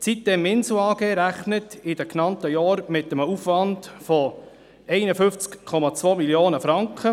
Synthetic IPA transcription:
t͡sit̚d̥ɛmɪnsl̩ɑːɡ̥eːɾæχnətɪdəknɑntəjɑːɾmɪtːəməufʋɑndfɔ | ɛɪnəfʏnft͡skkʰɔmɑt͡sʋoːmiljoːnəfɾɑŋkχə

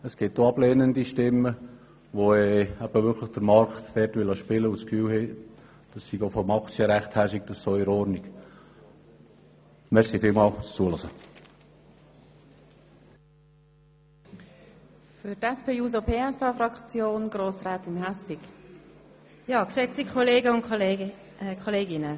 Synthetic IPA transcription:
əsɡ̥ɪt̚doɑblɛːnəndiʃtɪmːə | ʋoɛæb̥əʋʏɾkʰləχd̥əɾmɑɾktd̥ɛrtʋɪlɑʃpɪləuskfyːlheː | d̥ɑsːiɡofɔmɑkt͡sjəɾæχthæɾʃik̚d̥ɑssɔɪɾɔɾniɡ̥ | mɛsifɪːlmɑːlt͡st͡suəlɔsə | fytɛspeːjuːz̬opʰeːɛsɑːfɾɑkt͡sjoːnɡ̥roːsraːt̪ɪnɦɛsɪk | jɑːkʃɛt͡sikʰoleːɡəʊn | kʰoleːɡɪnə

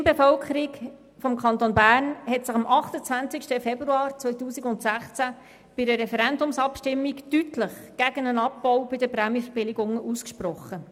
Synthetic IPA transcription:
nbefœlkχəɾik | fɔmkʰχɑnt̪onbæːrnhɛtsɪχɑmʔɑχt̪ət͡sʋænt͡sɪkʃtəfɛbruɑːɾt͡sʋœʏtuːsiɡʊntsæχt͡sæ | b̥ɪdəɾɛfɛɾɛndʊmsɑpʃtɪmːiktytləχɡ̥æɡənənɑpːɔwbɪdəpɾɛmjəfəɾbɪlɪɡʊŋuskʃpɾɔχːə

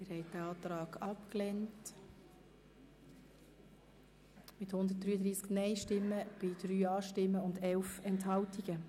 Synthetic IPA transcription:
mɪɾhɛɪdæɑːt̪ɾɑːɡɑpklɛnt | mɪthʊnd̪ət̚d̥̪ɾyːəd̪ɾiːsknɛɪʃtɪmːəb̥ɪd̥ɾyːɑːʃtɪmːəʊndɛlfɛnthɑltiɡ̥ə

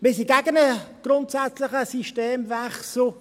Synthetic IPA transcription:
bɪs̬iɡæɡənəɡ̥ɾʊntsæt͡slɪχəsiʃteːmvɛχsl̩

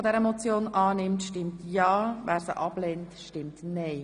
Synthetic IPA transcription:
ɔdɛɾəmɔt͡sjoːnʔɑːnɪmtʃtɪmtjɑːvæːɾsə̰ʔɑb̥lɛːntʃtɪmtnɛɪ

